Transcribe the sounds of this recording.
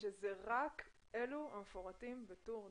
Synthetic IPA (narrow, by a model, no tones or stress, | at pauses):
ʃezeʁak | eluhamfoʁatimbetoʁ